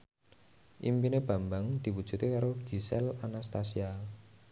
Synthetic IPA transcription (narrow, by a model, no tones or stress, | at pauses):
ʔḭmpineb̥ä̤mbaŋd̪̥i̤wud̥ʒ̥ṳt̪ekaɾoɡ̥isɛlanast̪asia